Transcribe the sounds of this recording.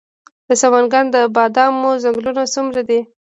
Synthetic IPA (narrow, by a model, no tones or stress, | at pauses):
d̪̥əsawanɡand̪əbɑd̪ɑmozaŋɡlunasumɾad̪i